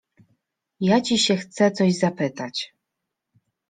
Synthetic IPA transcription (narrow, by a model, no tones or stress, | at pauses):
jat͡ɕiɕɛxt̪sɛt̪sɔʑzapɘt̪at͡ɕ